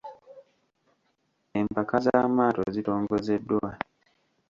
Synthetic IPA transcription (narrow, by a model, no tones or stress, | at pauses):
e̞mpakazaːmaːto̰zito̞ːŋɡo̞ze̞dːwa